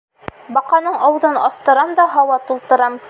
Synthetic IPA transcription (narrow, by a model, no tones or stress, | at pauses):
bɑqɑnɤɴɑwðɤnɑst̪ɤ̆ɾɑmd̪ɒɦɑwɑt̪ulˠt̪ɤ̆ɾɑm